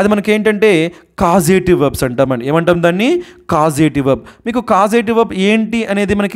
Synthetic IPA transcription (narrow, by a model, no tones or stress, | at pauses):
ɐd̪imɐnɐke̞ːɳʈɐɳʈe̞ːkaːzeːʈiʋɐbsɐɳʈaːmɐnieːmɐɳʈaːund̪aːnːikaːzeːʈiʋɐb̚miːkukaːzeːʈ̬iʋɐbeːɳʈiɐne̞ːd̪imɐnɐki